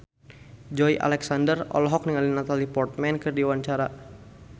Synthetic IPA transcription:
d͡ʒɔjʔa̰lɛksandərɔ̰lɔɦɔk̚niŋalinat̪alipɔrt̪̚mɛnkɨrdiwaɲt͡ʃaɾa

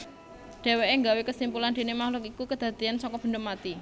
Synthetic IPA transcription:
ɖ̥e̤weʔeŋɡawekəsimpuland̥̪e̤nemahlʊk̬ikukəd̪̥ä̤d̪̥iansɔŋkɔb̥ə̤nd̪əmat̪i

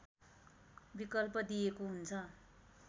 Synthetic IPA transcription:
bikʌlpʌd̪ijekoɦunt͡sʰʌ

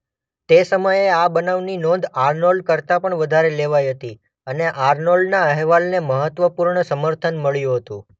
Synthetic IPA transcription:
t̪esəməjeabənaʋninɔ̃nd̪ʱaɾnolkəɾt̪apəɳʋəd̪ʱaɾeleʋajɦət̪i | əneʔaɾnolnaɛɦʋalneməɦət̪ʋəpuɾɳəsəməɾt̪ʰənməɭjũɦət̪ṵ̃

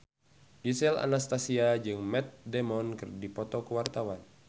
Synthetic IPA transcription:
disɛla̰nast̪asiad͡ʒɨŋmɛt̪̚dɛmɔnkɨrdipɔt̪ɔkəwart̪awan

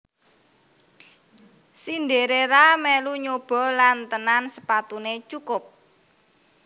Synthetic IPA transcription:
sind̪eɾeɾamɛluɲob̥ɔ̤lant̪ənansəpat̪unet͡ʃukʊp̚

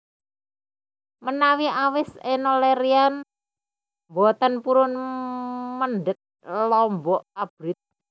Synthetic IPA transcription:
mənawiʔawɪsenoleɾian | bɔt̪ənpuɾʊn | mənɖək̚ | lɔmbɔʔab̥ɾɪt̪̚

